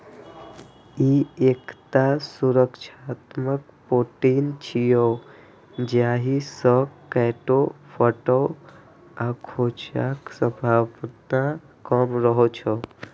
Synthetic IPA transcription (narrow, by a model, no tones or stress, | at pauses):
iekt̪asuɾəkʃat̪məkpoʈint͡ʃʰijo | d͡ʒjaɦisəkɛʈofʰəʈɔ | akʰot͡ʃa̰ksəbʱapt̪a | kəmɾəɦot͡ʃʰɔ